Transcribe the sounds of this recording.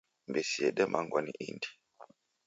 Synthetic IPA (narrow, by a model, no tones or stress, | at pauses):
mbesiɛɗɛmʔaŋɡwaniʔindi̥